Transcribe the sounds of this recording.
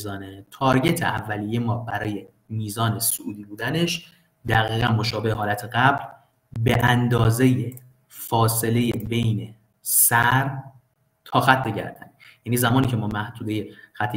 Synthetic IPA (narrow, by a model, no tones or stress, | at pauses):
zɒːnet̪ʰɒːɾɟe̞t̪ʰeʔævːælijemɒːbæɾɒːje̞ | miːzɒːne̞soʔuːd̪iːbuːd̪æne̞ʃ | d̪æɣiːɣænmo̞ʃɒːbeheɦɒːlæt̪ʰeɢæbl | beʔænd̪ɒːze̞je | fɒːse̞le̞jebe̞jne̞ | sæɾ | t̪ʰɒːxæt̪ʰːeɟæ̰ɾd̪̥ænjæniːzæmɒːniːcʰe̞mɒːmæhd̪uːd̪e̞je̞xæt̪ʰːe